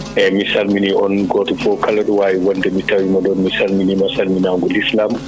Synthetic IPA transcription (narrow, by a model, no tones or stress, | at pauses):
ʔɛmisalminiʔɔnɡɔtɔfɔkʰaladwaːjiwɔndɛmitawimaɗɔnmisalminimasalminaːŋɡulislam